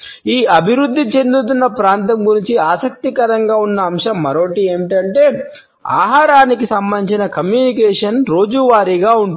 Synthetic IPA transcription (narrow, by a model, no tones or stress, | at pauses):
iːɐbʱiɾud̪ʱːit͡ʃe̞nd̪ut̪̬unːɐpɾaːnt̪ɐmɡuɾiɲt͡ʃiaːsɐk̚t̪ikɐɾɐŋɡaːunːɐːmʂɐmːɐɾoːʈieːmiʈɐɳʈe̞ː | a̰ːɦaːɾaːnikisɐmbɐnːiɲt͡ʃinɐkɐmjuːnikɛːʂɐnɾo̞ːd͡ʒuʋaːɾiɡaːuɳ